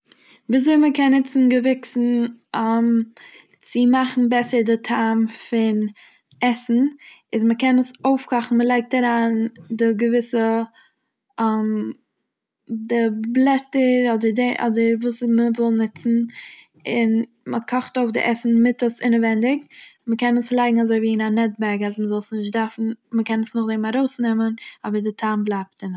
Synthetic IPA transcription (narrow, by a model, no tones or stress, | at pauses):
biːzoɪməkɛnːɪt͡sn̩ɡəvɪksn̩ɛm | t͡sɪmaχn̩bɛsəɾdɪtʰaːmfɪn | ɛsn̩ɪzməkɛnəsoʊfkʰɔχn̩məlˠaɪk̚taɾaːndɪɡəvɪsə | ɛm | dɪblˠɛtəɾɔdəɾdeʔɔ̰dəɾvuːsməvɔlˠnɪt͡sn̩ | ɪn | məkʰɔχtoʊfdɪ̰ʔɛsn̩mɪtəsɪnəvɛndɪkməkɛnəslˠaɪɡŋ̩azoɪviːɪnanɛt̚bɛɾɡazməzɔlˠsnɪʃtdaɾfn̩məkɛnəsnʊχdemaɾoʊsnɛmənɔbəɾdɪtʰamblˠaɪp̚tɪn